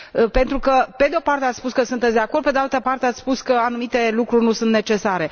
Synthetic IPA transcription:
əpe̞nt̪ɾukəped̪eo̞part̪e̞at̪spuskəsunt̪et̪sd̪eako̞rd̪pe̞d̪ealt̪əpart̪eat̪sspuskəanumit̪e̞lukɾurʲnusunt̪ne̞t͡ʃe̞saɾe̞

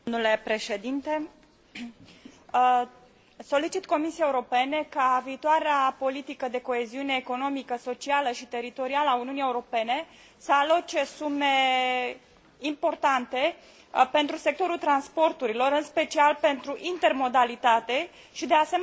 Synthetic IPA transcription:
ule̞pɾe̞ʃe̞d̪int̪e̞ | so̞lit͡ʃit̪ko̞misiaeuɾo̞pe̞ne̞kaviːt̪oaɾeapo̞lit̪ikəd̪e̞koeziune̞ːko̞no̞mikəso̞t͡ʃialəʃit̪e̞ɾit̪o̞ɾialəauniunie̞uɾo̞pe̞ne̞ | səalo̞t͡ʃe̞sume̞ | impo̞rt̪ant̪e̞ | pe̞nt̪ɾuse̞k̚t̪o̞ɾult̪ɾanspo̞rt̪uɾilo̞ɾɨnspe̞t͡ʃialpe̞nt̪ɾuʔint̪e̞rmo̞d̪alit̪at̪e̞ | ʃid̪easem

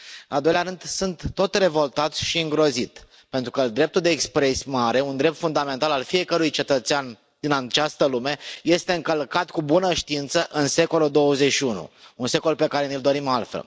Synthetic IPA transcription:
ɨnald̪o̞jleaɾɨnd̪sunt̪ːo̞t̪re̞vo̞lt̪at̪sʲʃiɨŋɡɾo̞zit̪ | pent̪ɾukəd̪ɾe̞p̚t̪uld̪e̞ːkspɾe̞sʲmaɾe̞und̪ɾe̞p̚t̪fund̪ame̞nt̪alalfie̞kəɾujt͡ʃe̞t̪ət̪sean | d̪̥inat͡ʃast̪əlume̞je̞st̪e̞ɨŋkəlkat̪kubunəʃt̪iint̪səʔɨnse̞ko̞lud̪o̞wəzeʃiunṵunse̞ko̞lpe̞kaɾe̞nild̪o̞ɾimalfḛl

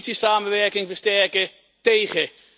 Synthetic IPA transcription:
tsisaːməʋɛɹkɪŋvəɹstɛɹkə | tejχə

